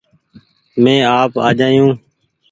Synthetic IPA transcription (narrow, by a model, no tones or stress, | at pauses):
mẽːaːpa̰ːd͡ʒaːjũː